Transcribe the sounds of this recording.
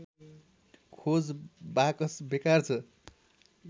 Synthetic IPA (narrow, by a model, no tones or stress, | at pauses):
kʰod͡zbakʌsbekart͡sʰʌ